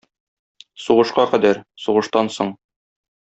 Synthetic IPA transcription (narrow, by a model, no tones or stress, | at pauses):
suʁɤ̆ʃqɑqæd̪æɾsuʁɤ̆ʃt̪ɑnsoɴ